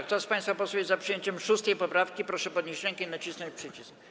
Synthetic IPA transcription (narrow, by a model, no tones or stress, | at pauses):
kt̪ɔspaj̃st̪fapɔsubʲjɛzapʂɨjeɲt͡ɕɛmʂust̪ɛjpɔpɾafkʲipɾɔʂɛpɔd̪̚ɲeɕt͡ɕɾɛŋkɛinat͡ɕisnɔ̃ɲt͡ɕpʂɘt͡ɕisk